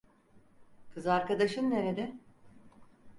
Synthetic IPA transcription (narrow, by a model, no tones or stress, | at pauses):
kʰɯzɯaɾkad̪aʃɯnːe̞ɾed̪ɛ